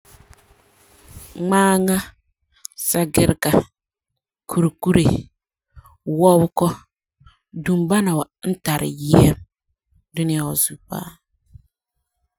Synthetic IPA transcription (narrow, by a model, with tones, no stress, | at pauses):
ŋ͡maː˦ŋa˦ | sa˦ɡɪ˦ɾka˨ | kʰu˨ɾku˦ɾe˨ | wɔ˦wkɔ˦ | du˨mba˦na˨wa˨n̩˦ta˨ɾɪ̰˨ji˦ɛ˦m | dʊ˦nɪ˦a˦wɔ˨zu˨pa̰ː˦